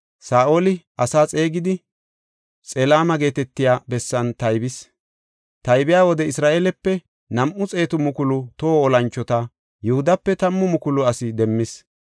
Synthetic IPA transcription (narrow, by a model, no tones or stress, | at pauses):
saːʔolɪʔɐsaːt͡sʼe̞ːɡɪd̪ɪ | t͡sʼɛlaːmɐɡe̞ːt̪ɛt̪ːɪjaːbɛsːɐnt̪ɐjbɪs | t̪ɐjbɪjaːwɔd̪ɛɪsɾaːʔeːlɛpːɛ | nɐmʔʊt͡sʼe̞ːt̪ʊmʊkʊlʊt̪oːɔlɐnt͡ʃːɔt̪ɐ | jʊhʊd̪ɐpːɛt̪ɐmːʊmʊkʊlʊɐsɪd̪ɛmːɪs